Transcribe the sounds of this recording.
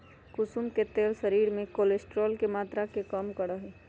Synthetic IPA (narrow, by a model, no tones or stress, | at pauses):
kʊsumket̪eːlsəɾiːɾmẽkoːlesʈɾoːlkemaːt̪ɾakekəmkəɽəɦɛ